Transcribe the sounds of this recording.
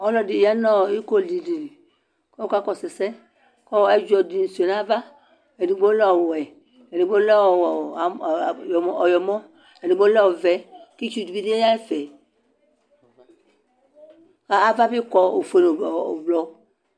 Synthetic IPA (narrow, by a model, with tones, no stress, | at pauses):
ɔ˦lɔ˨di˨ja˦nɔ˦˨i˦ko˦˨li˨li˨li˨ | kɔ˦ka˦kɔ˦sɛ˨sɛ˦ | kɔ˦ɛ˦d͡ʒɔ˨di˨n̩˨so˨nã˦va˦ | e˨di˨ɡ͡bo˦lɔ˦˨wɛ˨ | e˨ni˨ɡ͡bo˦lɔ˦˨wɔ˨a˨jɔ˨mɔ˦ɔ˨jɔ˨mɔ̃˦ | e˨di˨ɡ͡bo˦lɔ˦wo˨vɛ˨ki˦t͡ʃu˦di˨bi˦di˦e˦ja˦i˦fɛ˨ | ka˦a˨va˦bi˦kɔ˦o˨fe˨no˨blɔ˨